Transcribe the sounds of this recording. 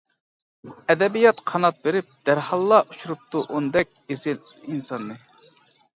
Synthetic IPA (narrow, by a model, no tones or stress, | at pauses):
ɛd̪ɛbijɑt̪qʰɑnɑt̪̚beɾɪp̚d̪̥æɾhɑlˠːɑʔut͡ʃuɾup̚t̪uʔonɨd̪ɛk̚ʲesɪl | insɑnːɨ